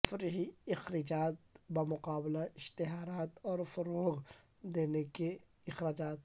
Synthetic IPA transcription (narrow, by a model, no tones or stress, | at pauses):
fɾɦiɪxɾɪd͡ʒaːt̪bamʊqaːblaɪʃt̪ɪɦaːɾaːt̪ɔːɾfʊɾoːɣ | d̪eːneke | ɪxɾaːd͡ʒaːt̪̚